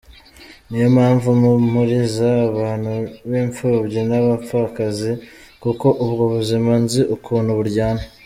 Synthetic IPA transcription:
nijomaːɱvumumuɾizaːβaːn̥huβiːɱfuɾbɟinaβap͡fakazi | kuko̞ʔuβɡoβuzimanziʔukʰuːn̤uβuɾɟaːna

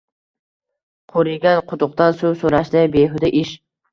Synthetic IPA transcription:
qʰoɾɪɡʲanqʰʊt̪ʊqt̪ansuwsoɾaʃd̪abeɦʊd̪aʔɪʃ

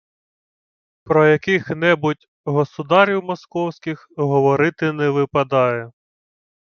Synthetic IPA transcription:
pɾɔjɐkɪxnɛbʊtʲ | ɦɔsʊd̪ɑɾʲiwmɔskɔwsʲkʲɪxɦɔʋɔɾɪt̪ɪnɛʋɪpɐd̪ɑjɛ

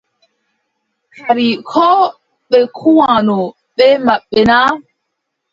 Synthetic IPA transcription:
kʰaɾikʰɔ | ɓɛkʰuwãnɔ | ɓɛmaɓːɛna

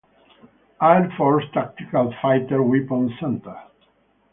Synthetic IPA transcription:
ajlfɔɹst̪ak̚t̪ikalfajt̪əɾwipɔ̃nsɛ̃nt̪ə˞

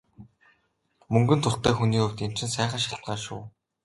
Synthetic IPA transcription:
mɵŋɡɵ̆nt̪ʰʊrt̪æːxuniːɵwt̪emt͡ɕɪ̆nsæːχə̆nʃaɬt̪̚ɢaːʃʊ̰ː

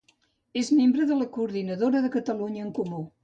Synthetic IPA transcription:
ezmembɾəðələkuːɾðinəðoɾəðəkət̪əluɲəːŋkumu

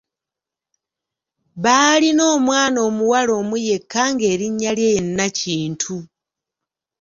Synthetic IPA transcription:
βaːlino̞ːmwaːnoːmuwalo̞ːmuje̞kːaŋɡe̞ːɾiɲːaljenːaciːntʰu

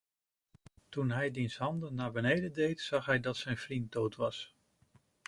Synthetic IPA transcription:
tunɦɛjdinsɦɑndənːaːɹbənejdəndejtsɑχɦɛjdɑtsɛjnvrint̚dowtʋɑs

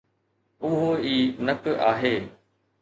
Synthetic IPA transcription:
ʊɦoiːnəkʔaːɦeː

